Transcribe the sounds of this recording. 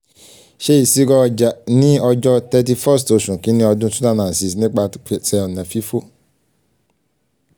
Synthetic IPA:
ʃe˦i˨si˦ɡɔ˧d͡ʒa˨nĩ˦ɔ˧d͡ʒɔ˦tɛ˧t̬i˧fɔ˦˨sto˧sũ˨kĩ˦nĩ˦ɔ˧dũ˦sũ̥˦ta˦˨nã˨si˨s̬nĩ˦k͡pa˧˦˨sɛ˧ɔ˨nã˨fi˦fo˦

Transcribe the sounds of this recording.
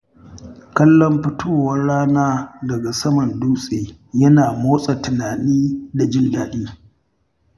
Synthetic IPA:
kɐ˦lːɔ˦mɸɪ˦tʰoː˦wɐ˦rɽaː˦naː˦dɐ˨ɡa˨sɐ˦mɐ˨nduː˦sʼeː˨jɐ˦naː˨moː˦sʼa˨tɪ˨naː˨niː˦da˨d͡ʒɪ˦ndaː˨ɗiː˦

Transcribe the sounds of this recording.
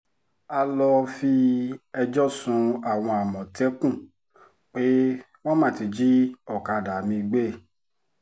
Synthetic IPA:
a˧lɔ˧fi˧ɛ˧d͡ʒɔ˦sũ˧a˨w̃ɔ̃˧a˨mɔ̃˨tɛ˦kũ˦˨ | k͡pe˦ | w̃ɔ̃˦mã˦˨ti˧d͡ʒi˦ɔ˦˨ka˧da˨mĩ˧ɡ͡be˦˨

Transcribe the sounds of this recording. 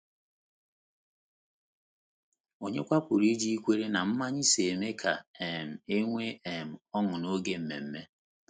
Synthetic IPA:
o˨ɲe˦kʷa˦pʊ˨ɾi˦d͡ʒi˦i˦kʷe˦ɾe˦na˨m̩˦ma˦ɲɪ˦se˨me˦kʰa˨e˨m̩˨e˦ŋʷe˦e˨m̩˨ɔ˦ŋʊ˨no˦ɡe˦m̩˨mḛ˨m̩˦me˦

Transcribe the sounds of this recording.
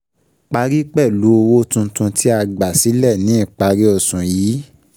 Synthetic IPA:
k͡pa˧ɾi˦k͡pɛ˦˨lu˨˦o˧wo˦tũ˧tũ˧tʰi˦a˧ɡ͡ba˨si˨˦lɛ˦˨nĩ˨˦ĩ˦˨k͡pa˧ɾi˦ɔ˧˨sũ˨jiː˨˦

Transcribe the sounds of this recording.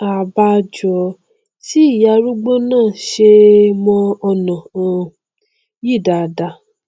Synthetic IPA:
a˨ba˧d͡ʒɔ˨˧ | ti˦i˦˨ja˧˦ɾu˦ɡ͡bo˦nãː˦˨ʃe˧mɔ̃˧ɔ˧nã˨ɔ̃˧ | ji˦˨da˨da˧

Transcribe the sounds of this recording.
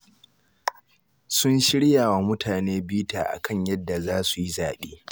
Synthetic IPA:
sʊ˦nʃɪ˦ɽjaː˨wa˨mʊ˦tʰaː˨neː˦biː˦ta̰ː˨ʔa̰˨kɐ˦ɲjɐ˦dːa˨zaː˦su˨ji˦zaː˨ɓeː˦

